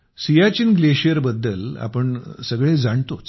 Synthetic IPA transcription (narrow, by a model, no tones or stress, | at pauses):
sijat͡ɕinɡleɕijəɾbəd̪ːəla̰pəɳsəɡɭed͡zaɳt̪ot͡s